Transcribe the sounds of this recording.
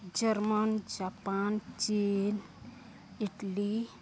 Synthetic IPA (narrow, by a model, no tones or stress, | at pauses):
d͡ʒɛrmand͡ʒapant͡ʃin | iʈli